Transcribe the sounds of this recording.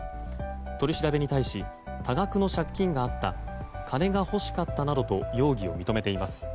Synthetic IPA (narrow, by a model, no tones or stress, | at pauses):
t̪o̞ɾʲiɕiɾabe̞ɲ̟it̪aiɕi | t̪aɡakɯ̟no̞ɕakʲːĩŋɡaːt̪ːa | kʰane̞ɡaho̞ɕi̥kat̪ːanad̪o̞t̪ojo̞ːɡʲio̞̰mʲit̪o̞me̞t̪e̞imasɨ̥